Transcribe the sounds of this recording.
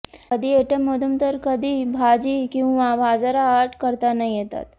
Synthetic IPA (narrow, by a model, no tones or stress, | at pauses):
əd̪ʱiːeʈeməd̪ʱunt̪əɾkəd̪ʱiːbʱad͡ʑiːkĩw̃ʋabʱad͡zaɾaːʈkəɾt̪anaijet̪a̰t̪